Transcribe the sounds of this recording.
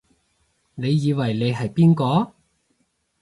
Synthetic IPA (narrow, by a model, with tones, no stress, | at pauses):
ne˨˧jːiː˨˧wɐ˨˩jne˨˧jɦɐ˨jpiː˥nkɔː˨˧